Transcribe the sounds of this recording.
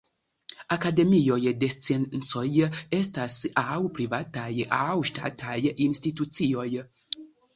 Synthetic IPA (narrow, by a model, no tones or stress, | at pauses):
akade̞mio̞jde̞st͡sennt͡so̞je̞stasawpɾivatajawʃta̰tʰajinstitut͡sio̞j